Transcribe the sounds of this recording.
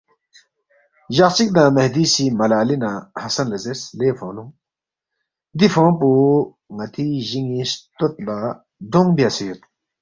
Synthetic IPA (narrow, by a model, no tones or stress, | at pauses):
ʑɐqt͡ʃik̚d̪ãːmɐhd̪iːsimɐlaːlinãhɐsɐnlɐzesleːfõːnũ | d̪ifõːpu | ŋɐt̪iʑiŋist̪ot̪̚la | d̪oŋbijasijut̪